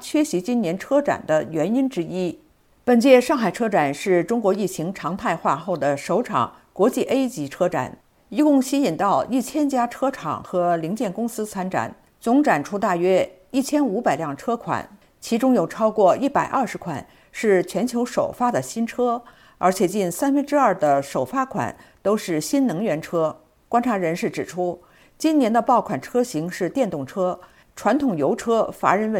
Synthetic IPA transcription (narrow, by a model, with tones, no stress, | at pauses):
t͡ɕʰɥɛ˥ɕi˧˥t͡ɕi˥nnjɛ˧˥nʈ͡ʂʰɤ˥ʈ͡ʂa̰˨˩nd̪ə˦ɥɛ˧˥ni˥nʈ͡ʂɻ̩˥i˥ | pə˨˩nt͡ɕjɛ˥˩ʂɑ˥˩ŋxa˨˩ɪʈ͡ʂʰɤ˥ʈ͡ʂa˨˩nʂɻ̩˥˩ʈ͡ʂʊ˥ŋkwɔ˧˥i˥˩t͡ɕʰi˧˥ŋʈ͡ʂʰɑ˧˥ŋt̪ʰa˥˧ɪxwa˥˧xo˥˩ʊd̪ə˩ʂo˧˥ʊʈ͡ʂʰɑ̰˨˩˦ŋ | kwɔ˧˥t͡ɕi˥˩ʔe˥ɪt͡ɕi˧˥ʈ͡ʂʰɤ˥ʈ͡ʂa̰˨˩˦n | i˧˥kʊ˥˩ŋɕi˥i˨˩nt̪ɑ˥˧ʊi˥˩t͡ɕʰjɛ˥nt͡ɕja˥ʈ͡ʂʰɤ˥ʈ͡ʂʰɑ̰˨˩ŋxɤ˧˥li˧˥ŋt͡ɕjɛ˥˩nkʊ˥ŋsɹ̩˥t͡sʰa˥nʈ͡ʂa̰˨˩˦n | t͡sʊ˧˥ŋʈ͡ʂa˨˩nʈ͡ʂʰu˥t̪̬a˥˩ɥɛ˥ | i˥˩t͡ɕʰjɛ˥nu˧˥pa˨˩ɪljɑ˥˩ŋʈ͡ʂʰɤ˥kʰwa̰˨˩˦n | t͡ɕʰi˧˥ʈ͡ʂʊ˥ŋjo˨˩ʊʈ͡ʂʰɑ˥ʊkwɔ˥˧i˥˩pa˨˩ɪʔɐ˞˥˩ʂɻ̩˧˥kʰwa̰˨˩˦n | ʂɻ̩˥˩t͡ɕʰɥɛ˧˥nt͡ɕʰjo˧˥ʊʂo˨˩ʊfa˥d̪ə˨ɕi˥nʈ͡ʂʰɤ˥ | ə˞˧˥t͡ɕʰjɛ˨˩t͡ɕi˥˩nsa˥nfə˥nʈ͡ʂɻ̩˥ɐ˞˥˩d̪ə˩ʂo˨˩ʊfa˥kʰwa̰˨˩˦nt̪o˥ʊʂɻ̩˥˩ɕi˥nnɤ˧˥ŋɥɛ˧˥nʈ͡ʂʰɤ˥ | kwa˥nʈ͡ʂʰa˧˥ɻə˧˥nʂɻ̩˥˩ʈ͡ʂɻ̩˨˩ʈ͡ʂʰu˥ | t͡ɕi˥njɛ˧˥nd̪ə˧pɑ˥˩ʊkʰwa˨˩nʈ͡ʂʰɤ˥ɕi˧˥ŋʂɻ̩˥˧t̪jɛ˥˧nt̪ʊ˥˩ŋʈ͡ʂʰɤ˥ | ʈ͡ʂʰwa˧˥nt̪ʰʊ˨˩ŋjo˧˥ʊʈ͡ʂʰɤ˥fa̰˧˥ɻə˧˥nwə˥˩